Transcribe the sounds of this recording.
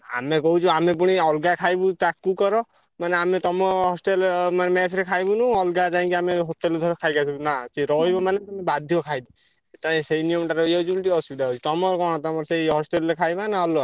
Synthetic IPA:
a̰mekɔɦut͡ʃʰuamep̬uɽ̃iɔlɡakʰajbut̪akːukɔɾɔ | maneamet̪ɔmɔɦɔsʈelmanemesʰɾekʰajbunũɔlɡad͡ʒaĩkiameɦoʈeld̪ʱɔɾɔkʰajkat͡ʃʰibɔnat͡ʃiɾɔɦijbɔmaneamebad̪ʱjɔkʰajd̪i | eʈaĩseinijɔmʈaɾɔjed͡ʒblʈiɔsbid̪aɦɔt͡ʃʰi̥t̪ɔmɔɾɔkɔɽ̃t̪ɔmɔɾsejɦɔsʈelɾekʰajbanaɔlɡa

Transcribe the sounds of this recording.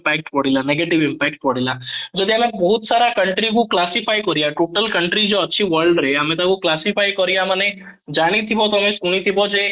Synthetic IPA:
pɛːk̚ʈpɔɽ̤ilaneɡeːʈɪʋɪ̃mpɛːk̚ʈ̚pɔɽ̤ilad͡ʒod̪iɦɐmẽbɔɦʊt̪saːɾakɐɳʈɾikoklaːsipaːikɔɾijaʈoːʈəlkɐɳʈɾid͡ʒoɐtːʃʰiʋəɾɖɾɛɦɐmẽt̪akoklaːsipʰaːikɔɾijamɐnẽ | d͡ʒaːnit̪ʰibot̪oɦmẽskuːnit̪ʰibod͡ʒe

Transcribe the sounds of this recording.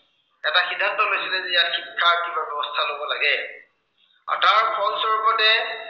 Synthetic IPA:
ɛtaxidʱːantɔlojsilɛzɛijatxikʰːakibabɔbɔstʰalobɔla̰ɡɛ | a̰ɹtaɹkʰɔlsɔɹɡɔtɛ

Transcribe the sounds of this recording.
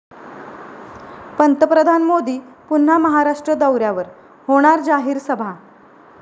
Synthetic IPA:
pənt̪əpɾəd̪ʱanmod̪iːpun̤ːaməɦaɾaʂʈɾəd̪əwɾjaʋəɾ | hoɽ̃aɾd͡zaɦiːɾsəbʱa

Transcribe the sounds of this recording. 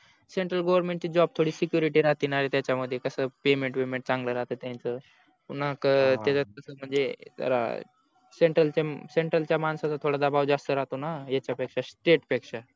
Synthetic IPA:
seɳʈɾəlɡoʋəɾmẽɳʈ̚t͡ɕiːd͡ʑɔb̚t̪ʰoɽiːsikjuɾiʈiɾat̪inaɾet̪jat͡ɕjaməd̪ʱːjekəsəːpemẽɳʈpemẽɳʈ̚t͡sãŋɡləɾaɦt̪ət̪jãnt͡sə | punakt̪jat͡ɕakəsəːm̤əɳd͡zet̪ə̰ɾa̰ | seɳʈɾəlt͡ɕaseɳʈɾəlt͡ɕjamansat͡sat̪ʰoɽad̪abawd͡zast̪əɾaɦt̪onajet͡ɕjapekʂasʈeʈpekʂa

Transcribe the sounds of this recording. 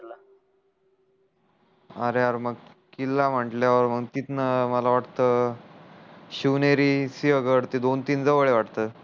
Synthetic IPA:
la | əɾeaəɾməɡ | kilːam̤əʈljaʋəɾm̤əɡt̪it̪nəməlaʋaʈt̪ə | ɕiʋneɾisiəɡəɽt̪id̪ont̪iːnd͡zəʋəɭeʋaʈt̪ə

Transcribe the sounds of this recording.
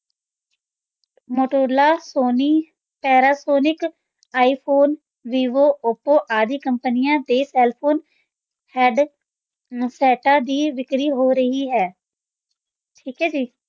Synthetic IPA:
moːʈoːɾlaːsoːniː | pɛːɾaːsoːnɪk | aːiːpʰoːn | ʋiːʋoːʊpoːʔaːd̪iːkəmpənɪjãːd̪eːsɛːlpʰoːn | hɛːɖ | sɛːʈãːd̪iːʋɪkɾiːɦoːɾəɦiːɦɛː | ʈʰiːkɦɛːd͡ʒiː

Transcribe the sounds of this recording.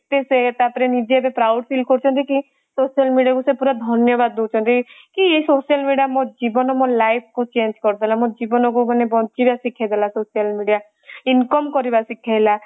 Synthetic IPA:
t̪eset̪apɾenid͡ʒeebepɾawɖpʰilkɔɾut͡ʃʰɔnt̪iki | sosijalmiɖiakusepuɾad̪ʱɔnjɔbad̪̚ːot͡ʃʰɔnt̪ikiesosijalmiɖijamod͡ʒibɔnɔmɔlajpʰkut͡ʃend͡ʒkɔɾt̪elamõd͡ʒibɔnɔkumɔnebɔnt͡ʃibasikʰːjad̪ʱelasosijalmiɖia | inkɔmkɔɾibasikʰːajla

